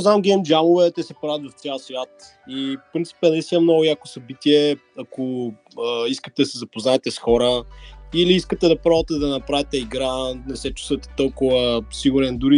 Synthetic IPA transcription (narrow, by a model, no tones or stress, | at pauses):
zamɡʲɛmd͡ʒamʊvɛt̪ɛsɛpɾavʲət̪vɐft̪sʲjalˠsvʲjat̪ | ifpɾint̪si̥pɛnɐlist̪inəmnɔɡʊjako̥sɐbit̪iɛ | ɐkʊ | əiskət̪ɛd̪ɐsɛzɐpoznaɛt̪ɛsxɔɾəiliiskət̪ɛd̪ɐpɾɔvət̪ɛd̪ɐnɐpɾavɛt̪ɛiɡɾanɛsɛt͡ʃu̥svət̪ɛ̥t̪ɔlˠkʊvəsiɡʊɾɛnd̪uɾi